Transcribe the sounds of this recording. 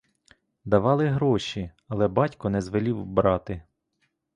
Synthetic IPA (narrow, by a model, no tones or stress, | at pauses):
d̪ɐʋɑlˠɪɦɾɔʃi | ɐlˠɛbɑtʲkɔnɛzʋelʲiwbɾɑt̪ɪ